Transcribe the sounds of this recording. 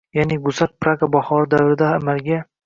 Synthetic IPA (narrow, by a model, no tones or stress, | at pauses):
janɪɡʊzaɾ̚pɾaɡabaχɒɾɪd̪avɾɪd̪aamalɡʲa